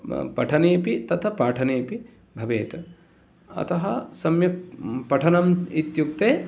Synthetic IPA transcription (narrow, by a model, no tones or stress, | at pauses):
pɐʈʰɐneːpit̪ɐt̪ʰɐpaːʈʰɐneːpi | bʱɐʋeːt̪ɐ | ɐ̰t̪ɐɦɐsɐmjɐpɐʈʰɐnɐmit̪juk̚t̪eː